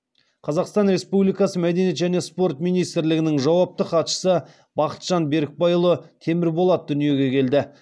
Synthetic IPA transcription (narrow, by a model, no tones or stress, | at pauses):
qʰɑzɑqst̪ɑnɾe̞spublijkɑsəmæd̪e̞njet̪ʒæne̞spo̞rt̪mijnijst̪ɪɾlɪɡʲɪnɪŋʒɑwɑp̚t̪əqɑt̪ʃə̥sə | bɑqə̥t̪ʒ̥ɑnbe̞ɾɪk̚bɑjlˠət̪ʰe̞mɪɾbolˠɑd̪̚d̪ʏnije̞ɡʲe̞kʲʰe̞ld̪ɪ